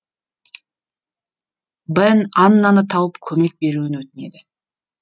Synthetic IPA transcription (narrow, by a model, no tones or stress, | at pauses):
bənɑnːɑnət̪ʰɑwəpkʲʰɵme̞k̚be̞ɾuɪnwɵt̪ɪne̞d̪ɪ